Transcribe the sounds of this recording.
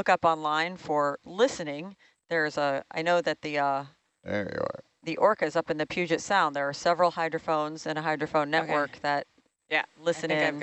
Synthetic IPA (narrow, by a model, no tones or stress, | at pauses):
ʊkʌpɑ̃nlãɪ̃nfə˞lɪsɨnɪ̃ŋ | ðə˞zəa̰ɪnoʊðɨt̪̚ðiʌ | ɛ̰ɔ̰ | ðiʔɔɹkɨɨzʌpɨ̃n̩ðɨpʰjʉd͡ʒɨtsãʊ̃nðə˞ːsɛvɹl̩ˠhaɪdɹəfõʊ̃nzɨ̃ñəɦaɪdɹəfõʊ̃nːɛʔwɜ˞k̚ðɨt̚ | lɪsɨ̃nɪ̃